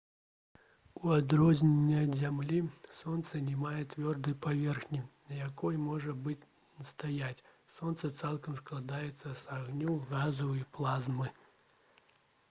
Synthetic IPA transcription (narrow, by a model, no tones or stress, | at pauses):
uad̪ɾɔzʲnʲenʲːɐzʲamlʲisɔnt̪sɐnʲɛmajɛt̪vʲɔrd̪ɨjpavʲɛrxnʲinɐjakɔjmɔʐɐbɨt͡sʲ | nɐst̪ajat͡sʲ | sɔnt̪sɐt̪salˠkɐmsklˠad̪ajɛt̪sːɐsaɣnʲuɣazɐwiplˠazmɨ